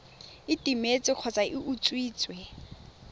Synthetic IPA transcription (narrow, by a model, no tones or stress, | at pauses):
ɪtʼimet͡sʼɪq͡χʰɔt͡sʼaʔɪʔut͡sʼwiːt͡sʼwɛ